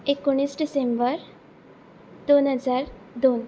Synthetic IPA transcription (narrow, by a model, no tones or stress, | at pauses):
ekoɽ̃iːsɖisembəɾ | d̪onɦəd͡zaɾ | d̪on